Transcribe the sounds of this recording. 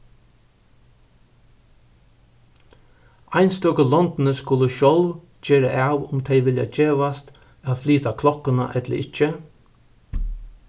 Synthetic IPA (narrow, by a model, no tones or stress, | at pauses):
aɪnst̪ɔːkəlɔnt̪nəskʊləʃɔlʋ | d͡ʒeːɾəʔaːwʊmt̪ʰɛjʋɪlja̰eːʋast̪ | aðfliːt̪akʰlɔkʊna̰ʔɛt̪lə̰ʔɪt͡ʃə